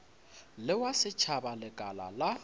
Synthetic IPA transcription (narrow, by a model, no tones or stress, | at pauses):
lɪwasɪt͡ʃʰabalɪkʼala̰la